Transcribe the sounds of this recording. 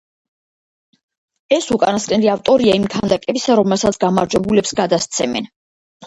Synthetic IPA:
ɛsukʼanaskʼnɛliaft̪ʼɔɾiaimk̪ʰand̪akʼɛbisaɾɔmɛlˠsat̪sʰɡamaɾd͡ʒwɛbulɛpsɡad̪ast̪sʰɛmɛ̰n

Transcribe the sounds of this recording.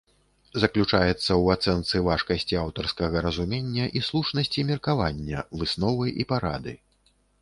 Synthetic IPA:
zɐklʲut͡ʂajɛt̪sːɐwat̪sɛnt̪sɨvaʂkɐsʲt͡sʲiawt̪ɐrskɐɣɐɾɐzumʲenʲːɐʔislˠuʂnɐsʲt͡sʲimʲirkavanʲːɐvɨsnɔvɨʔipaɾa̰d̪ɨ̰

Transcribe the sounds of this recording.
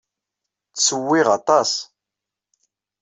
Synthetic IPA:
t͡sːsəwːiʁɑt̪ˤɑs

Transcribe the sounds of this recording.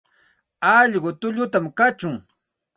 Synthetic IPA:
ɑʎɢʊt̪ʊʎʊt̪amkat͡ʃʊŋ

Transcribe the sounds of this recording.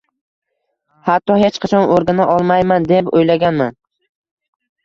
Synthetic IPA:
hat̪ʰːɒhet͡ʃqʰɑt͡ʃʰɒnoɾɡʲanaʔɒlˠmajmand̪epojlaɡʲanman

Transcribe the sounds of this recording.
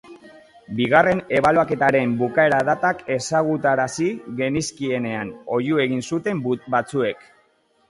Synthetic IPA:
biɣare̞ne̞βaloake̞t̪aɾe̞mbukae̞ɾaðat̪ake̞saɣut̪aɾasiɣe̞niskie̞ne̞ano̞jue̞ɣinsut̪e̞mbat͡sue̞k

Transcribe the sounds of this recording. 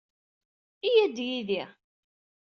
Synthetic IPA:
ijæd̪jiði

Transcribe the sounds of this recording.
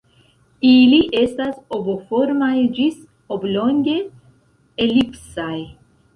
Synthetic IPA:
iliʔest̪asobofoɾmajd͡ʒis | obloŋɡe̞ | elipsaj

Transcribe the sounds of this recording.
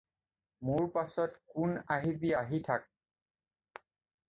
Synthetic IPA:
muɹpasɔtkʊnaɦibijaɦitʰak̚

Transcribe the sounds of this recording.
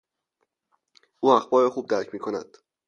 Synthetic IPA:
ʔuːæxbɒːɾexuːb̚d̪æɾcʰmiːkʰonæ̰d̪̥

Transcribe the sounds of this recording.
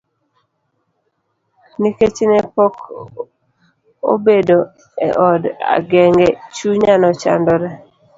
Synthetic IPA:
niket͡ʃinɛpɔk | o̰bedo | ɛ̰ʔɔda̰ɡɛŋɡɛt͡ʃuɲanɔt͡ʃa̰ndɔɾɛ

